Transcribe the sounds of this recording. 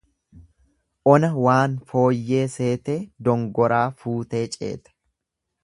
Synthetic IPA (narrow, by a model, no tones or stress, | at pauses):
ʔɔnɐwaːnfo̞ːjːe̞ːse̞ːt̪e̞ːd̪ɔŋɡɔɾaːfuːt̪e̞ːt͡ʃʼḛːt̪ɐ̥